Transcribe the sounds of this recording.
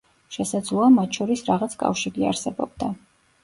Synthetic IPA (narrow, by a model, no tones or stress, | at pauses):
ʃɛsad̪zlˠɔamat̪ʃʰɔɾisɾaʁat̪sʰkʼa̰fʃiɡia̰ɾsɛbɔb̥̚d̪a